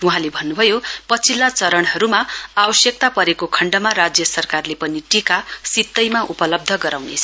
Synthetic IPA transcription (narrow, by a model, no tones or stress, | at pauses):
uɦãlebʱʌnːubʱʌjopʌt͡sʰilːat͡sʌɾʌɳ̃ɦʌɾumaabʌsjʌk̚t̪apʌɾekokʰʌɳɖʌmaɾad͡zjʌsʌrkarlepʌniʈikasit̪ːʌjmaʔupʌlʌb̚d̪ʱʌɡʌɾawnet͡sʰʌ